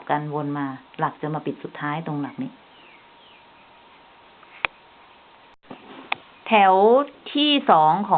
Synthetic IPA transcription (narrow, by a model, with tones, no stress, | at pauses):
p̚ka˧nwo˧nmaː˧la˨˩k̚t͡ɕa˨˩maː˧pi˨˩t̪̚su˨˩t̪ʰːaː˦˥jt̪o˧ŋla˨˩k̚niː˦˥ | t̪ʰɛ˩˦wt̪ʰiː˥˩sɔː˩˦ŋkʰɔː˨